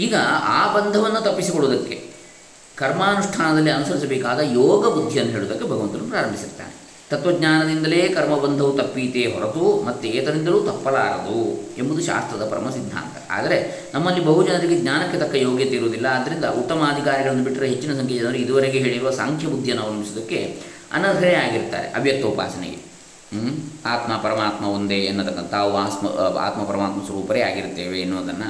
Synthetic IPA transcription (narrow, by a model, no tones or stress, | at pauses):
iːɡɐa̰ːbɐnd̪ʱɐʋɐnːut̪ɐpːisikoɭuːd̪ɐkːe̞̰ | kɐɾmaːnuʂʈʰaːnɐd̪ɐlːiɐnusɐɾisɐbeːkaːd̪ɐjɔːɡɐbud̪ʱːjɐnːuɦe̞ːɭud̪ɐkːebʱɐɡɐʋɐnt̪ɐnːupɾaːɾɐmbʱisiɾt̪ːa̰ːne | t̪ɐt̪ʋɐɡɲaːnɐd̪ind̪ɐle̞ːkɐɾmɐbɐnd̪ʱɐʋut̪ɐpːiːt̪eːɦɔɾɐt̪umɐt̪ːueːt̪ɐd̪ind̪ɐlut̪ɐpːɐɭa̰ːɾɐd̪uembud̪uʃa̰ːst̪ɾɐd̪ɐpɐɾɐ̰mɐsid̪ʱːa̰ːnt̪ɐ̰a̰ːd̪ɐɾe̞ | nɐmːɐlːibɐɦud͡ʒɐnɐɾiɡeɡɲaːnɐkːet̪ɐkːɐjoːɡjɐt̪eiɾoːd̪ilːɐːd̪ːɐɾind̪ɐʔut̪ːɐmaːd̪ʱikaːɾiɡɐɭɐnd̪ubiʈːiɾɐɦe̞t͡ʃːinɐs̬ɐŋkʰed͡ʒɐnɐɐɾuid̪uʋɐɾeɡeɦe̞ːɭiɾuʋɐsa̰ːŋkʰjɐbud̪ʱjɐnːɐʋɐnɐmisɐd̪ɐkːe | ɐ̰nːɐd̪ʱɐɾeaːɡiɾt̪ːa̰ːɾe̞̰ʔɐbʱjɐk̚t̪ɐupa̰ːsɐnḛɡḛ | aːt̪mɐpɐɾɐmaːt̪mɐond̪eːɐnːut̪ːɐkːɐnt̪ʰaːʋuaːst̪mɐ̰a̰ːt̪mɐpɐɾɐmaːt̪mɐsʋɐɾuːpɐɾea̰ːɡiɾt̪ːeːʋeːnːoːd̪ɐnːɐ